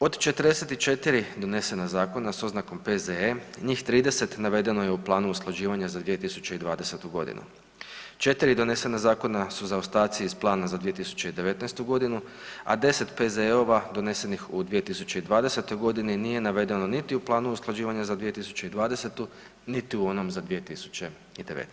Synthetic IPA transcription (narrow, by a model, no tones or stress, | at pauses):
o̞d̪t͡ʃe̞t̪əɾd̪eset̪it͡ʃe̞t̪iɾid̪o̞ne̞se̞nazaːko̞naso̞znako̞mpe̞zeeɲiːxt̪ɾiːd̪e̞se̞t̪naʋe̞d̪e̞no̞je̞uplˠaːnuusklˠad͡ʑiːʋaɲazad̪ʋije̞t̪isu̥t͡ɕe̞id̪ʋaːd̪ese̞t̪uɡo̞̰d̪ḭnṵ | t͡ʃe̞t̪iɾid̪o̞ne̞se̞nazaːko̞nasuzaost̪aːt̪sijisplˠaːnazad̪ʋije̞t̪̬isu̥t͡ɕe̞id̪e̞ʋe̞t̪najst̪uɡo̞d̪inu | a̰d̪e̞se̞t̪pe̞zeo̞ʋad̪o̞ne̞se̞nixud̪ʋije̞t̪isut͡ɕe̞id̪ʋaːd̪e̞se̞t̪o̞jɡo̞d̪ininije̞naʋe̞d̪e̞no̞nit̪iuplˠaːnuusklˠad͡ʑiːʋaɲazad̪ʋije̞t̪isu̥t͡ɕe̞id̪ʋaːd̪e̞se̞t̪u | nit̪iuo̞no̞mzad̪ʋijet̪isu̥t͡ɕe̞ | id̪eʋḛt̪